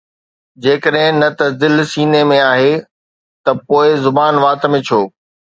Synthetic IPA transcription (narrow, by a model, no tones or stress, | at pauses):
d͡ʑeːkəɗɦɪ̃nɐt̪ɐd̪ɪlsiːnemẽaːɦe | t̪ɐpoːɪzʊbaːnʋaːt̪mẽt͡ɕʰoː